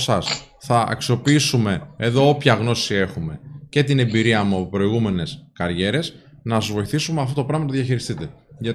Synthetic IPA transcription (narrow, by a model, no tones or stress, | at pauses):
sɐs | θɐʔɐ̰ksio̞piisume̞eðo̞opçɐɣno̞sie̞xume̞ce̞t̪ine̞mbiɾiɐmuɐpo̞pɾo̞iɣume̞ne̞skɐɾʝe̞ɾe̞s | nɐzvo̞iθisumeɐft̪ot̪o̞pɾɐmɐnt̪ðjɐçiɾist̪it̪e | ʝɐ